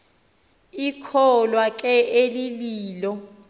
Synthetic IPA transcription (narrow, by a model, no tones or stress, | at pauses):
ikʰɔlwak̬ʼɛʔeliliːlɔ